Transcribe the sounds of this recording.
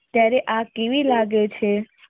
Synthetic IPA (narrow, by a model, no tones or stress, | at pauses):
t̪jaɾeʔakeʋilaɡet͡ʃʰe